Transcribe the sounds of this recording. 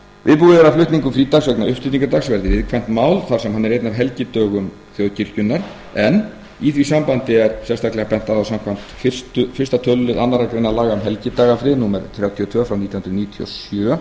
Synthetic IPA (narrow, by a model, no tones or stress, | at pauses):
vɪ̰ðpuːðɪvɛːɾaflʏht̪niŋkʏmfɾiːt̪aksœknaʏhpt̪ɪt̪iŋkaɾt̪aksvɛɾðɪvɪðkʰvɛn̥t̪maːwlθaɾ̥sɛmɦanːɛɾejt̪navɦɛlcɪt̪œːɣʏm | θjoðciɾ̥cʏnːaɾ̥ | ɛnː | iθvisampant̪ɪɛɾsɛst̪ʰaklɛɣapɛn̥t̪aðawsamkʰvam̥t̪fɪr̥st̪ʏfɪr̥st̪at̪ʰœlːʏða̰nːaɾakɾejnalaːɣaʏmɦɛlcɪt̪aːɣafɾɪðnuːmɛɾ̥t̪ʰɾjawt̪ʰiɔt̪ʰvœːfɾawnit̪jahnɾʏniːt̪ʰiɔ̰sjœ